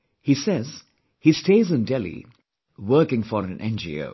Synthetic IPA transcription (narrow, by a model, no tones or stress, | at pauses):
hisɛz̥ | histeɪzɨ̃ndɛlḭ | wɜ˞kɪ̃ŋfɔɾɨ̃nʔɛ̰̃nd͡ʒḭo̰ʊ